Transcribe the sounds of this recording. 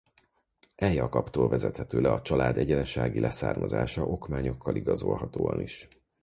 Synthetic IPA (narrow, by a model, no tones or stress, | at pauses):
ʔɛjɒkɒpt̪oːlvɛzɛt̪hɛt̪øːlɛɒt͡ʃɒlaːd̪ɛɟɛnɛʃaːɡilʔɛsa̰ːrmɒza̰ːʃɒʔo̞kmaːɲo̞kʰːɒliɡɒzo̞lɦɒt̪oːɒ̰niʃ